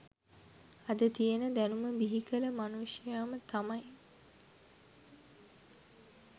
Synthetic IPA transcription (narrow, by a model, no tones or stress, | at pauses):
ɐd̪ət̪ijənəd̪ænuməbiɦikələmanuʂjaːmət̪amɐj